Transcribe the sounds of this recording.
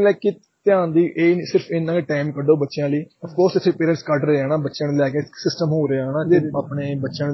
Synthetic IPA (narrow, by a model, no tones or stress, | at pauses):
lɛːke | t̪ɪjãːnd̪iːʔeːsɪɾpʰɪnːãːkeːʈaːɪmkəɖoːbətːʃɪjãːliːəfkoːɾsɪt̪ʰːeːpeːɾə̃ɳʈskəʈɾəeːaːnãːbətːʃənlɛːkesɪsʈəmɦoːɾeaːnãːd͡ʒeːaːpɳeːbətːʃən